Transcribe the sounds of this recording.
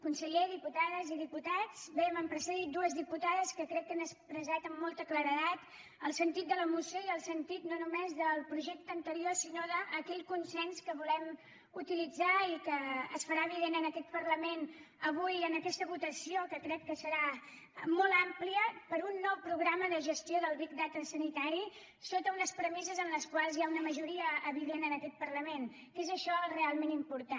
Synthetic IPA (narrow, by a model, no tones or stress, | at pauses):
kunsəʎeðiput̪aðəziðiput̪ad͡zβɛəməmpɾəsəðit̪̚d̪uəzðiput̪aðəskəkɾɛk̪̚kːənəspɾəzat̪əmːɔlˠt̪əkləɾəðat̪ | əlˠsənt̪it̪̚d̪ələmusjoiəlˠsənt̪it̪nonumezðəlˠpɾuʒɛk̚t̪əənt̪əɾiosinoðəʔːkɛʎkunsɛnskəβulɛm | ut̪ilid͡zaikəːsfəɾaβiβenənəkɛt̪̚pəɾləmen | əβujənəkɛst̪əβut̪əsiokəkɾɛt̪̚kəsəɾa | mɔlˠampliəpəɾunːɔwpɾuɣɾaməðəʒəst̪ioðəlˠβik̚d̪at̪əsənit̪aɾi | sot̪əunəspɾəmisəzənləskwalˠzjaunəməʒuɾiəːβiβenənəkɛt̪̚pərləmen | kezəʃɔrealˠmenimpuɾt̪a